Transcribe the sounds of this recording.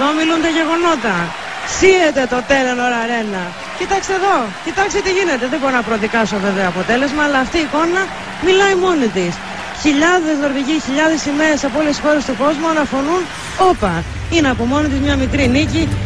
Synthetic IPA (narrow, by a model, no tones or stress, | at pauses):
ðomilunt̪ɐʝe̞ɣo̞no̞t̪ɐ | siet̪e̞t̪o̞t̪e̞lono̞ɾɐɾe̞nɐ | cit̪ɐkst̪eðo̞cit̪ɐkst̪et̪iʝine̞t̪e̞ðeboɾonɐpɾoðikɐso̞ve̞veoɐpo̞t̪e̞le̞zmɐːlɐːft̪iːko̞nɐ | milɐimo̞nit̪is | çiʎɐðe̞zðo̞ɾviʝiçiʎɐðe̞sime̞ɾesɐpoolesxo̞ɾe̞st̪uko̞zmuɐnɐfo̞nun | o̞pɐ | ineɐpo̞mo̞nit̪izmɲɐmikɾinici